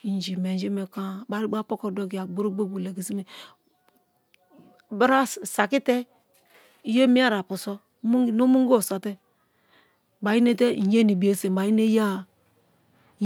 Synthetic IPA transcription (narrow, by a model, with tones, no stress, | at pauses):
i˨n˨d͡ʒi˨me˨n˦d͡ʒe˦me˨ka˦˨ba˨˦ɾi˦ɡ͡ba˦po˦ko˦˨do˦ɡi˨a˨ɡ͡bo˦ɾo˦ɡ͡bo˦bu˨le˨ɡi˨si˦me˨ | bɾa˦sa˨ki˦te˦ | i˦je˦mi˦a˦ɾa˨pu˨so˦ | m˦no˦mu˦ŋ˦ɡsa˨te˦˨ | ba˨ji˦ne˦te˦˨je˦ni˨bi˨e˨se˨m˨ba˨ji˦ne˦ja˦˨˦